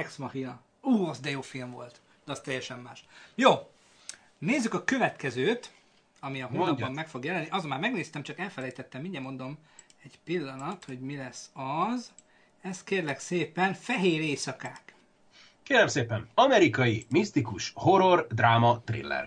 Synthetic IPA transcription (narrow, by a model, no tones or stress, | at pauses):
ɛksmɒhinɒ | uːɒzd̪ɛjoːfilmvo̞̰lt̪ | d̪̥ɛɒst̪ɛjːɛʃɛmːaːʃjoː | neːzːykɒkø̞vɛt̪kɛzøːt̪ | ɒmiɒɦonːɒbbɒmːɛkfo̞ɡjɛlɛnːiʔɒzomːaːrmɛɡneːst̪ɛmt͡ʃɒkɛlfɛlɛjt̪ɛt̪ːɛmːiɲɟɛmːo̞nd̪o̞m | ɛɟpilːɒnɒt̪ho̞ɟmilɛsːɒz | ɛst̪keːrlɛkseːpɛnfɛɦeːɾeːsɒkaːk | keːɾɛmseːpɛnɒmɛɾikɒjimist̪ikuʃho̞ɾord̪raːmɒt̪rḭlːɛ̰r